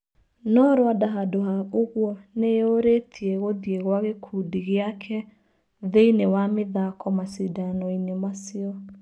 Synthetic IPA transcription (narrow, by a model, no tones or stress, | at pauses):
nɔɾowadaɦadoɦaoɣwɔneoɾetʰieɣoðieɣwaɣekʰudiɣeakʰɛ | ðeinewameðakɔmasidanɔinemasiɔ